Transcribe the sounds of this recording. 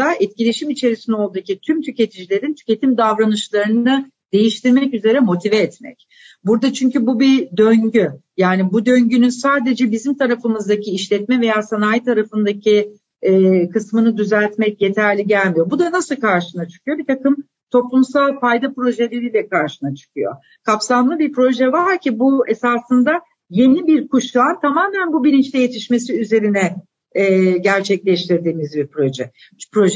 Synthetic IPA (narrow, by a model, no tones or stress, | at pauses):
d̪aɛt̪̚cilʲe̞ʃimit͡ʃʰe̞ɾisinɛo̞lˠd̪ucit̪ʰymt̪ʰyce̞t̪ʰid͡ʒilʲe̞ɾint̪ʰy̥ce̞t̪ʰimd̪avɾanɯʃlˠaɾɯnɯd̪a | d̪e̞jiʃt̪ʰiɾmɛcyze̞ɾɛmo̞t̪ʰivɛːt̪mɛ̰c | buɾd̪at͡ʃʰyɲcybubid̪øɲɟyjaːnibud̪ø̞ɲɟynynsaːd̪e̞d͡ʒɛbizimt̪ʰaɾafɯmɯzd̪acʰiːʃlʲɛt̪mɛve̞jaːsanaːjt̪ʰaɾafɯnd̪acʰi | ɛːkɯsmɯnɯd̪yzælʲt̪mɛc̚je̞t̪ʰæɾlʲiɟælʲmijo̞bud̪anasɯlˠkʰaɾʃɯnat͡ʃʰɯ̥kʰɯjo̞bit̪ʰakɯm | t̪ʰo̞plˠumsalˠfajd̪apɾo̞ʒelʲe̞ɾiːlʲɛkaɾʃɯnat͡ʃʰɯ̥kʰɯjo̞̰ | kʰapsamlˠɯbiɾpɾo̞ʒɛvaɾcʰibue̞saːsɯnd̪a | je̞nibiɾkuʃlˠant̪ʰamaːmænbubilʲint͡ʃlʲɛje̞t̪ʰiʃme̞siyze̞ɾinɛː | ɟæɾt͡ʃʰɛclʲɛʃt̪ʰiɾd̪iːmizbiɾpɾo̞ʒɛ̰ | pɾo̞ʒɛ